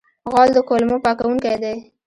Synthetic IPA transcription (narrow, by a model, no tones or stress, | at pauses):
ɣɑld̪əkolmopɑkawuŋkajd̪a